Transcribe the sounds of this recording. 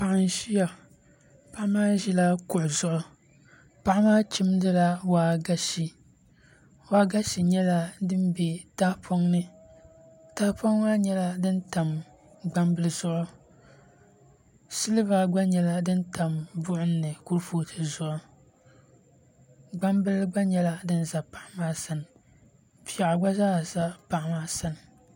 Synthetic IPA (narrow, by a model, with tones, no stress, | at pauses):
pa˨ʔa˦n˨ʃi˦ja˨ | pa˦ʔmaː˦ʒi˦la˦kʊ˨ʔʊ˨zʊ˦ʔʊ˨ | pa˦ʔmaː˦t͡ʃi˦mdɨ˦la˦waː˨ɡa˦ʃi˨ | waː˦ɡa˦ʃi˨ɲɛ˦la˦dɨ˦m˦bɛ˨ta˦pʰo˦ŋnɨ˦ | ta˦po˦ŋwaː˦ɲɛ˦la˦dɨ˦nta˨m | ɡ͡ba˦mbɨ˦lɨ˦z̥ʊ˦ʔʊ˦ | sɨ˦lɨ˦va˦ɡ͡ba˦ɲɛ˨la˦dɨ˦nta˨mbʊ˦ʔʊ˦nː˦ɨ˨ku˦ɾfoː˦tʰɨ˨zʊ˦ʔʊ˦ | ɡ͡ba˦mbɨ˦lɡ͡ba˦ɲɛ˦la˦dɨ˦n˦za˨pa˦ʔmaː˦sa˦n˨ | pi˦˨a˨ʔa˨ɡ͡ba˦zaː˦˨za˦pa˨ʔmaː˦sa˦nɨ˨